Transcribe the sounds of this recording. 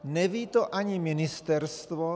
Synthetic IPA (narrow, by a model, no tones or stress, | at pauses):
nɛviːt̪oʔaɲimɪnɪst̪ɛɾst̪vo